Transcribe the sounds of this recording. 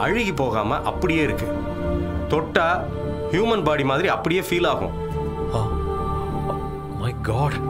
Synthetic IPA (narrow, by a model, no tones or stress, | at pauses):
ʔɐɻɪɣipoːɣa̰ːmɐ̰ʔɐpːɐɽɪjeːɪɾɯkːɯ | t̪ɔʈːaː | hjuːmɐnbaːɽimaːðɪɾiɐpːɐɽɪjeːfiːlaːɣʊ̰̃ | oː | mɐɪɡɔːɖ